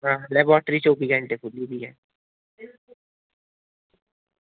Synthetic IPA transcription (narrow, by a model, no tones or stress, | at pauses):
ɦãːlɛbɔːʈɾit͡ʃoːpiɡə̃ɳʈepʰʊlːibiɦɛː